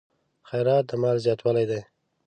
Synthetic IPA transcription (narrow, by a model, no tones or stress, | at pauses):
xajɾɑt̪̚d̪əmɑlzjɑt̪walajd̪aj